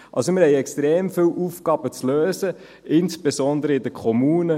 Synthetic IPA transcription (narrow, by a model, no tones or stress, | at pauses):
ʔɑ̰lsomɪɾhɛɪɛkstʁeːmfiːlwʔufɡ̥ɑːb̥ət͡sløːzə | ɪnsb̥ezɔnd̪əɾəɪdəkʰɔmuːnə